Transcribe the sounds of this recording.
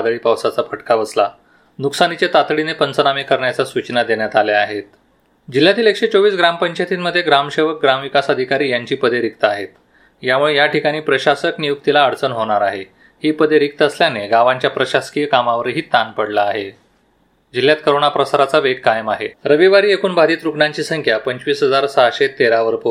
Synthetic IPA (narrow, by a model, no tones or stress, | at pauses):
d̪ɭiːpəwsat͡sapʰəʈkaʋəsla | nuksanit͡ɕjat̪at̪ɭinepənt͡sənamikəɾɳjat͡sasut͡ɕnad̪eɳjat̪aljaaɦet̪ | d͡ʑil̤ːjat̪iːlekʂet͡soʋiːs̬ɡɾampəɲt͡ɕajt̪iːnməd̪ʱːjeɡɾamɕeʋək̚ɡɾamʋikasəd̪ʱikaɾiːjaɲt͡ɕiːpəd̪ʱeɾik̚t̪əaɦet̪ | jamuɭejaʈikaɽ̃iːpɾəɕasəknijuk̚t̪ilaəɽt͡sənɦoɽ̃aɾaɦe | hiːpəd̪ʱeɾik̚t̪əəsljaneɡaʋãɲt͡ɕjapɾəɕaskijəkamaʋəɾɦiːt̪anpəɽlaːɦe | d͡ʑilːjat̪̚kəɾoɽɳ̃apɾəsaɾat͡saʋeɡ̚kajəmaɦeɾəʋiʋaɾiːekʰuːnbʱad̪iːt̪ɾukɳaɲt͡ɕiːsəŋkʰjapəɲt͡ɕʋiːsɦəd͡zaɾsaɕet̪eɾaʋəɾpo